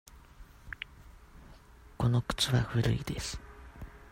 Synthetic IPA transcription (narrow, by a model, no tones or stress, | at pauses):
konokɯ̥t͡sɨβa̰hɯ̟ɾɯ̟̰id̪̥esɨ̥